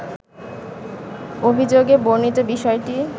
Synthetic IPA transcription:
obʱid͡ʑoɡeboɾnit̪obiʃɔeʈi

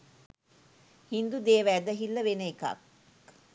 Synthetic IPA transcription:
hind̪ud̪eːʋæːd̪əɦilːəʋenəeka̰k

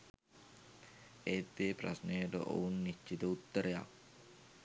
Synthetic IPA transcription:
eːt̪ːeːprasnejəʈə̰ʔo̰unːit͡ʃːit̪əut̪ːəɾeja̰k

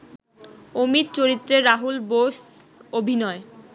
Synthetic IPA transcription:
omit̪̚t͡ɕoɾit̪ːɾeɾaɦulboʃ | obʱinɔe

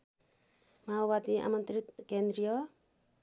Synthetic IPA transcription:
mawat̪iʔa̰mʌnt̪ɾit̪kend̪ɾijɔ

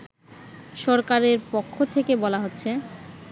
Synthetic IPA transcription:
ʃɔɾkaɾeɾpokʰːot̪ʰekebɔlaɦotːɕʰe

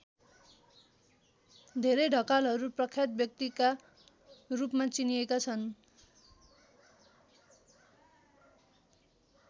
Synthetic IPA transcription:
d̪ʱeɾejɖʱʌkalɦʌɾuprʌkʰjat̪̚bjʌk̚t̪ika | rupmat͡sinijekat͡sʰʌn

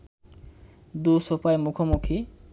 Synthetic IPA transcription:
d̪uʃopaemukʰomukʰi

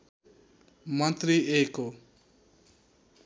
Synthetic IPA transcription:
mʌnt̪riʔeko

